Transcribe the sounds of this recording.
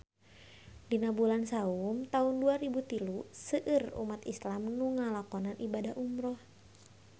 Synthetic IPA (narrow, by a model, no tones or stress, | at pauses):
dinabulansaumt̪aunduaɾibut̪ilusəʔərṵmat̪islamnuŋalakɔnanʔibadaɦʔumɾɔh